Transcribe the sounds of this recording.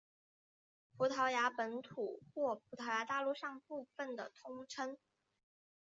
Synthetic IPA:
pʰu˧˥t̪ʰɑ˧˥ʊja˧˥pə˧˥nt̪ʰu˨˩xwɔ˥˩pʰu˧˥t̪ʰɑ˧˥ʊja˧˥t̪a˥˧lu˥˧ʂɑ˥˧ŋpu˥˧fə˩nd̪ə˩t̪ʰʊ˥ŋʈ͡ʂʰə˥ŋ

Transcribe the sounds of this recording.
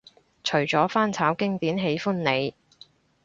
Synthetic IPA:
t͡ʃʰɵ˨˩ɥt͡sɔː˨˥faː˥nt͡sʰaː˨˥wkɪ˥ŋt̪iː˨˥nɦe˨˥jfʊ˥nne˨˧j

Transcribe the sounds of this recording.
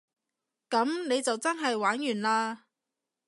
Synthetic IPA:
kɐ˨˥mne˨˧jt͡sɐ˨wt͡sɐ˥nɦɐ˨jwaː˨˥njyː˨˩nlaː˧

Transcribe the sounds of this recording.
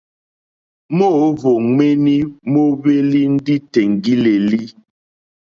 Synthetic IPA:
mo˦˨˦vo˨ŋe˦ni˦mo˦βe˦li˦n̩˦di˦te˨ŋ˨ɡi˦le˨li˦

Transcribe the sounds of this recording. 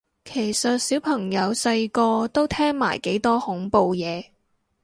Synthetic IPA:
kʰe˨˩jsɐ˨t̚siː˨˥wpʰɐ˨˩ŋjɐ˨˧wsɐ˧jkɔː˧t̪o˥wt̪ʰɛː˥ŋma̰ː˨˩jke˨˥jt̪ɔː˥hʊ˨˥ŋpo˨˧wjɛː˨˧

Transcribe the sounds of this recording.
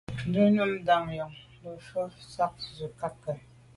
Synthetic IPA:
də˦nə˦mda˨ŋjɔ˨ŋ | lə˨fɔ˦sa˦k̚zə˨ka˦kːə˨

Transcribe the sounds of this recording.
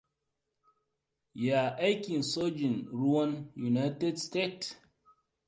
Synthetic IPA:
ja˨a˦ki˨nso˦d͡ʒi˨nɾu˦a˦nju˨na˦jte˦dste˦t

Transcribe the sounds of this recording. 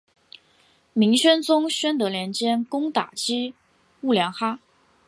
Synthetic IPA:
mi˧˥ŋɕɥɛ˥nt͡sʊ˥ŋɕɥɛ˥nt̪ɤ˧˥ljɛ˧˥nt͡ɕjɛ˥nkʊ˥ŋt̪a̰˨˩t͡ɕi˥ | u˥˩ljɑ˧˥ŋxa˥

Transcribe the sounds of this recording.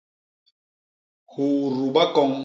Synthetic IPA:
hu˨ʔɾu˨ɓa˦kɔ˦˨ŋ

